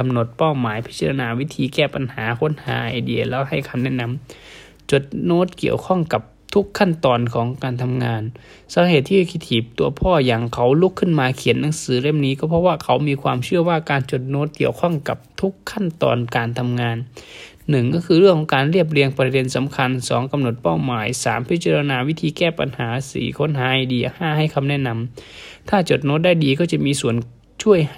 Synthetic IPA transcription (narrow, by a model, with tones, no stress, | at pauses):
a˧mno˨˩˦t̪̚paː˧˩wmaː˨˦jpʰi˦˥t̪̚t͡ɕa˧la˧naː˧wi˦˧˥t̪ʰiː˧kɛː˧˩pa˨nhaː˨˦kʰo˧˥˨nha̰ː˨˦ʔiː˨di˧˩ɐlɛː˧˥ha˧˩jkʰa˧˦mnɛ˧˥˨na˧˥˨m | t͡ɕo˨˩t̪̚noː˧˥˩t̪̚ki˧˩əwkʰɔ˧˥˩ŋka˨˩p̚t̪ʰu˦˥kʰːa˧˥˨nt̪ɔː˧nkʰɔː˨˦ŋkaː˨˩nt̪ʰa˧mŋaː˧n | saː˨˦he˧˨˩t̪ʰːiː˧kʰi˧t̪ʰiː˨˩p̚t̪u˧ɐpʰɔː˧˩ja˨˩ŋkʰa˨˦˥wlu˦˧˥kʰːɯ˧˥˩nmaː˧kʰi˨˦nːa˨˦ŋsɯː˨˦le˧˩˨mniː˦˥kɔː˧˩pʰɔ˧waː˧˩kʰa˨˦wmiː˧kʰwa̰ː˧mt͡ɕʰɯ˥˩əwaː˧˥˩kaː˨nt͡ɕo˨˩t̪̚noː˧˥t̪̚ki˨˧˩əwkʰɔ˧˥˩ŋka˨˩p̚t̪ʰu˦˥kʰːa˧˥˨nt̪ɔ̰ː˧nkaː˨nt̪ʰa˧mŋaː˧nː | ɯ˨˩ŋkɔː˥˩kʰɯː˧ɾɯ˥˩əŋkʰːɔ˨˦ŋkaː˨˧nli˥˩əp̬̚li˧əŋpa˧de˧nsa˨˦mkʰa˧nsɔː˨˦ŋka˧mno˨˩t̪̚pa˧˥˩wmaː˨˦jsa̰ː˨˦mpʰi˦t̪̚t͡ɕa˧ɾa˧naː˧wi˦˥˩t̪ʰiː˧kɛː˧˥˩pa̰˨nhaː˨˦sḭː˨˦kʰo˧˥nɦaː˨˦ʔa˧˩diː˨˧ʔhaː˧˩˨ha˧˥˩jkʰa˧mnɛ˧˥˨na˧mt̪ʰaː˧˥˩t͡ɕo˨˩t̪̚noː˦˥t̪̚da˥˩˨jdiː˨˧kɔː˥˩t͡ɕa˨˧˩ʔmiː˧su˨˦ən | t͡ɕʰu˥˩əj